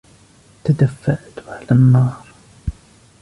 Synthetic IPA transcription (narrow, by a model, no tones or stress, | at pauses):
t̪ad̪afːaʔt̪ʕalanːɑːɾˤ